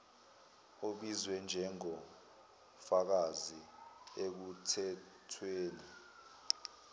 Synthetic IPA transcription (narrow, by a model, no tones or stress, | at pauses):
oɓizwɛnd͡ʒʱɛŋɔ | fak̬aziek̬utʰɛ | tʰweːni